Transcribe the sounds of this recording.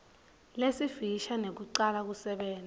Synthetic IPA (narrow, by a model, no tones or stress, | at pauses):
lesiviʃanek̬uǀalak̬usɛɓɛːn